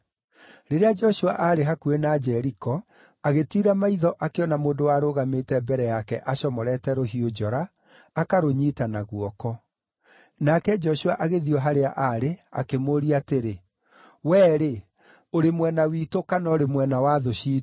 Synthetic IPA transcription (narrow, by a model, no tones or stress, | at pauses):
ɾeɾead͡ʒɔɕua̰ʔaɾeɦakuenad͡ʒɛɾikɔ | aɣetiɾamaiðɔʔakeɔnamoːndowaːɾoɣametɛbɛɾɛjakɛʔaɕɔmɔɾɛtɛɾoɦiod͡ʒɔɾaː | kaɾoɲiːtanaɣwɔkɔ | nakɛd͡ʒɔɕuaʔaɣeðiɔɦaɾeaʔaɾea̰kemoɾiateɾe | wɛːɾe | oɾemwɛnawiːtokanɔɾemwɛnawaðoɕiː